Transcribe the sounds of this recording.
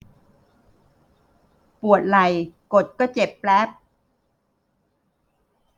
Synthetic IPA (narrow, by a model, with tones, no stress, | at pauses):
pu˨˩ət̪̚la˨˩jko˨˩t̪̚kɔː˥˩t͡ɕe˨˩pːlɛ˦˥p̚